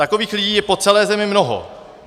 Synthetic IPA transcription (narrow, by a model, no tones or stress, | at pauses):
akoviːxlɪɟiːjɛpo̞t͡sɛlɛːzɛmɪmnoɦo̰